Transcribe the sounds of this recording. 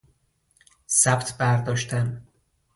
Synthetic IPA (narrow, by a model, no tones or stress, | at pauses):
sæbt̪ʰbæɾd̪ɒːʃt̪ʰæn